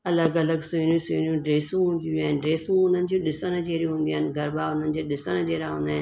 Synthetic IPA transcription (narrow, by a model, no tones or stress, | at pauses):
ɐləɡɐləɡsʊnjũsʊjnjũɖɾeːsũɦũːnd̪ijaːɦɪnɖɾeːsũʊn̤ənɪ̆d͡ʑũɗɪsənəd͡ʑeːɾjũɦũːnd̪iaːɦɪnɪ̆ɡʱɐɾbaːʊn̤ənɪ̆d͡ʑeːɗɪsəñəd͡ʑeːɾaɦũːnd̪aːɦɪn